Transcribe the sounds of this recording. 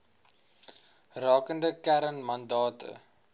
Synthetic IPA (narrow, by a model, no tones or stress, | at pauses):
rɑːkəndəkæɾənmɐndɑːtʰə̰